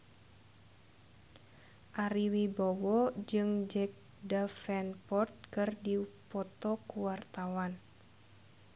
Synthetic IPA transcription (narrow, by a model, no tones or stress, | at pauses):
ʔaɾiwibɔwɔd͡ʒɨŋd͡ʒɛk̚ | dafɛnpɔrt̪̚kɨrdipɔt̪ɔkuwart̪awan